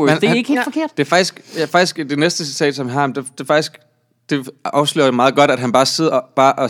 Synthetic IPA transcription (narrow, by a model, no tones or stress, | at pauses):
mnd̥eeɡ̥he̝ːlfɒ̽kʰe̝ɐ̰d̥d̥e̝æfɑɡ̥isɡ̥fɑ̈ɡ̥isɡ̥d̥e̝nesd̥əsi̥t͡sʰɛ̰ːd̥sɒ̽mɦɑ̈md̥ed̥e̝fɑ̈ɡ̥isɡ̥ | d̥e̝ɒʊslḛːɐdemɑ̈ːð̞̩ˠɡɒ̽ɾ̥æd̥ɦænb̥ɑ̈ːse̝ð̞̰ˠɐb̥ɑ̈ːʔɒ